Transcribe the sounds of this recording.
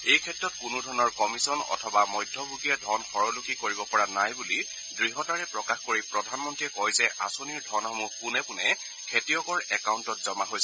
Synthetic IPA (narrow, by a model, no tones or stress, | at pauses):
ejkʰɛtɹɔt̚kunʊdʱɔɹnɔɹkɔmisɔnɔ̰tʰɔbamɔjdʱːɔbuɡiadʱɔnxɔɹɔlukikoɹibɔpɔɹanajbuli | dɹiɦɔtaɹɛpɹɔkaxkoɹipɹɔdʱanmɔntɹiɛkɔjzɛʔa̰soniɹdʱɔnxɔmuxpunɛpunɛ | kʰetijɔkɔɹɛkauntɔtzɔmaɦojsɛ